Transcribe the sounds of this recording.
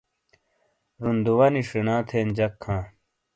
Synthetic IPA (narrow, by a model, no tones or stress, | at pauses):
ɾund̪uwɐniʂinãːt̪ʰeːnd͡ʑɐkʰːãː